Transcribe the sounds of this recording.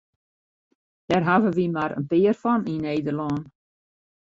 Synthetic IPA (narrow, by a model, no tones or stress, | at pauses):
d̥ɛrɦavəʋimaɾə̰npɪːərfɔnineːdərlɔːn